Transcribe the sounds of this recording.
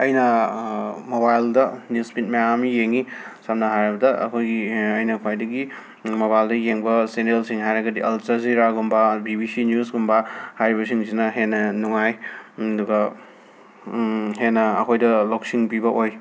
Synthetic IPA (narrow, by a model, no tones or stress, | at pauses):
ɐjnɐ | mobajldɐnuspit̚majamijeŋisamnɐɦajɾɐbɐdɐɐ̰kʰojɡiɐjnɐkʰwajdɐɡi | moβajldɐjeŋbɐsenelsiŋɦajɾɐɡɐdiʔɐlsɐziɾaɡumbabibisinjusɡumbahajɾibɐsiŋsinɐɦenːɐnuŋajduɡɐ | ɦenːɐːkʰojdɐloksiŋpibɐʔoj